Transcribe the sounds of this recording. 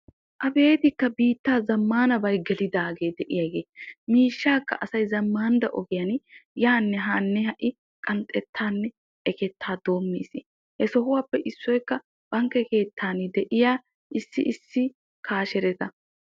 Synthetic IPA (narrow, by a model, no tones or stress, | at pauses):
ʔɐbe̞ːt̪ɪkːɐbiːt̪ːaːzɐmːaːnɐbɐjɡɛlɪd̪aːɡe̞ːd̪ɛʔɪjɐɡeːmiːʃːaːkːɐ̰ʔɐsɐjzɐmːaːnd̪ɐʔɔ̰ɡɪjɐnjaːnːɛɦaːnːɛhɐʔɪ | kʼɐnt̪ʼɛt̪ʰːaːnːɛ | ʔɛkɛt̪ːaːd̪o̞ːmːiːsɪ | hɛsɔɦʊwaːpːɛʔɪsːɔjkːɐ | b̥ɐŋkːɛke̞ːt̪ʰːaːnɪd̪ɛʔɪjaː | ʔɪsːɪʔɪsːɪ | kʰaːʃɛɾɛt̪ɐ